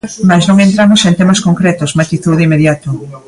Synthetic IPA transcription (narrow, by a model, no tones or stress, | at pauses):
majsnõŋẽnt̪ɾamʊsẽnt̪emaskoŋkɾɛt̪ʊsmat̪it̪uðimeðjat̪ʊ